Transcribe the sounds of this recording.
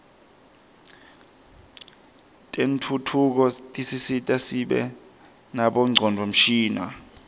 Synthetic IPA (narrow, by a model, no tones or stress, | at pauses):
tʼentʰutʰuk̬ɔtʼisisitʼasiɓɛ̰ | naɓɔŋ͡ǀʱɔndʱwom̩ʃiːna̰